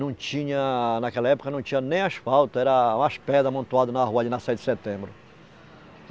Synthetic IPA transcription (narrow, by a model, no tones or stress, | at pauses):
nɐ̃w̃t͡ʃĩɲɐnakɛlɐɛpʊ̥kɐnɐ̃w̃t͡ʃĩɲɐnẽj̃aʃfawt̪ʊɛɾɐũaʃpɛd̪ɐmɐ̃nt̪uad̪ʊnɐɦuɐd͡ʒɪnɐsɛjd̪ɪset̪ẽbɾʊ